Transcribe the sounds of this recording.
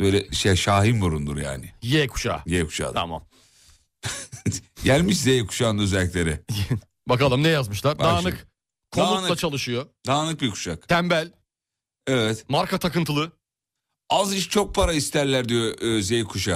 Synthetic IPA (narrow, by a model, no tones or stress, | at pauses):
bøːlʲɛʃejʃaːɦimbuɾund̪uɾja̰ːnɪjɛkʰu̥ʃa̰ːjɛkʰu̥ʃa̰ːa̰ma̰m | ɟælʲmiʃzejkʰu̥ʃaːnøzɛlʲːicʲlʲe̞ɾɛ | bakalˠɯmnɛjazmɯʃlˠaɾbd̪aːnɯk | kʰoaːulˠat͡ʃʰalˠɯʃɯjod̪aːnɯk̚bikʰu̥ʃakt̪ʰæmbælʲ | ɛvɛt̪maɾkʰat̪ʰakɯnt̪ʰɯlˠɯ | aziʃt͡ʃʰo̞k̚pʰaɾaist̪ʰæɾlʲæɾd̪ijozejkʰuʃa